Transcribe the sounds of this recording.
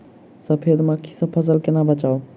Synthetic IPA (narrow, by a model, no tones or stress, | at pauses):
səpʰed̪mə̃ki̥səpʰəs̬əlkenabət͡ʃaw